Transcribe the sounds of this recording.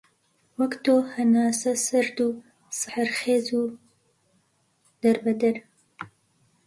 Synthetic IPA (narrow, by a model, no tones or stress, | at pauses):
wɐkt̪ohɐnaːsɐsɐɾd̪u | sɨħaɾxeːzu | d̪̥ɐɾbɐd̪ɐɾ